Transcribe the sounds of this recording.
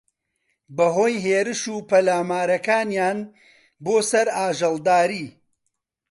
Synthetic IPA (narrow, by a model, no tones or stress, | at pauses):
bɐɦoːjɦeːɾɨʃuːpɐlaːmaːɾɐkaːnjaːn | boːsɐɾaːʒɐlˠd̪aːɾiː